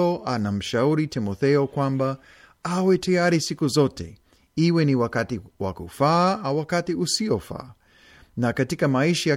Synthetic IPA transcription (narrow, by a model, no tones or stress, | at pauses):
ɔʔanam̩ʃauɾitimɔθɛɔkwamba | awɛtajaɾisikuzɔtɛ̰ | iwɛniwakatiwa̰kufaːawakatiusiɔfa̰ː | nakatikamaiʃaja